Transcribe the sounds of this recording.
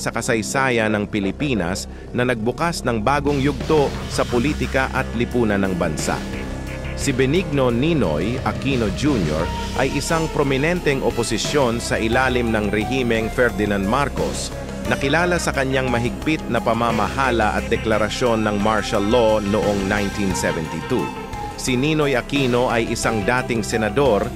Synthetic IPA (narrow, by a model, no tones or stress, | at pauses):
sɐkɐsɐjsaːjɐnɐŋpɪlɪpiːnɐ̰s | nɐnɐɡ̚bʊkasnɐŋbaːɡoŋjʊɡ̚t̪osɐpoliːt̪ɪkɐʔɐt̪lɪpuːnɐnɐŋbɐnsa̰ʔ | sɪbɛniɡ̚no̞nino̰jʔɐkinod͡ʒunjo̰ɹ | ʔɐjʔɪsaŋpɾomɪnɛnt̪ɛŋʔoposɪsjo̞nsɐʔɪlaːlɪmnɐŋɾɛɦiːmɛŋfɛɹd̪ɪnãnd̪̚maɾko̞̰s | nɐkɪlaːlɐsɐkɐɲaŋmɐɦɪɡ̚pɪt̪̚nɐpɐmamɐhaːlɐʔɐ̰t̪̚d̪ɛklɐɾɐsjo̞nːɐŋmaɹʃɐlːo̞noʔoŋnajnt̪insɛvɛnt̪it̪ṵ | sɪninojɐkiːno̞ʔɐjʔɪsaŋd̪aːt̪ɪŋsɛnɐd̪o̞ɾ